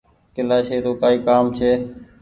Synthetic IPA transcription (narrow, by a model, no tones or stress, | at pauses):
k̪ɪlaːʃeːɾoːkaːiːkaːmt͡ʃʰeː